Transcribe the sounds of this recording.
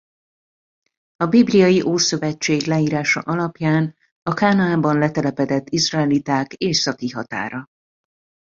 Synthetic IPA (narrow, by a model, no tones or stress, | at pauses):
ɒbiblijɒjiʔoːsø̞vɛt͡ʃːeːɡlɛiːɾaːʃɒ̰ʔɒlɒpjaːn | ɒkaːnɒaːbɒnlɛt̪ɛlɛpɛd̪ɛt̪ːizrɒɛlit̪aːkeːsɒkiɦɒt̪a̰ːɾɒ